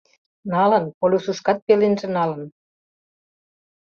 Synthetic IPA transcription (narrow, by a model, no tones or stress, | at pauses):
nɑlə̆npolʲusuʃkɑt̪̚pelenʒĕnɑlə̆n